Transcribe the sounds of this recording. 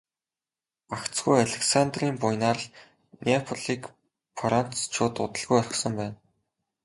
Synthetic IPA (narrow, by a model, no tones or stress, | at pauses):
akt͡sɡujaɮeksant̪riːmpʊjnaːrəɮ | nʲepʰʊɮiːk | pʰɔɾan̥st͡ɕʰʊːt̪ʊ̰t̪ə̆ɮɣujɔrʲɪ̆χsə̆mpæːn